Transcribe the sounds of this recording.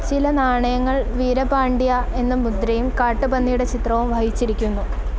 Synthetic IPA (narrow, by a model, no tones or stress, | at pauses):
t͡ɕilɐnaːɳɐjɐŋːɐɭʋiːɾɐpaːɳɖijɐe̞nːɨmud̪ɾɐjumkaːʈːɨbɐnːijuɽe̞t͡ɕit̪rɐʋɐmʋʱaːɦit͡ɕːiɾikʲːunːu